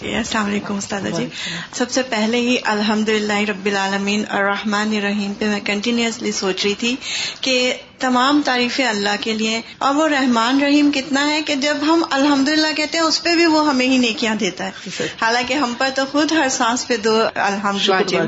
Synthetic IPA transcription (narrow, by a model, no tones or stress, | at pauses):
ɐslaːmɐleːkʊmʊst̪aːd̪ad͡ʒiːsɐbsepɛɦleɦiʔɐlɦɐmd̪ʊlɪlːaːɦiɾɐbːɪlaːlɐmiːnɐ̰ːɾːɐhmaːneɾɐɦiːmpemɛ̃kɐ̃ɳʈɪnjuəslisoːt͡ʃɾɐit̪ʰike | t̪ɐmaːmt̪aːɾiːfẽɐlːaɦkelie | ɔːɾʋoɾɐɦmaːnɾɐɦiːmkɪt̪naɦɛked͡ʒɐbɦɐmɐlɦɐ̃md̪ʊlɪlːakɛɦt̪ẽɦɛ̃ʊspebʱiʋoɦɐmẽɦineːkijãd̪eːt̪aɦɛːhaːlãːkeɦɐ̃mpɐɾt̪oxʊd̪ɦɐɾsãːsped̪oːɐ̰lɦɐmd̪ʊlːai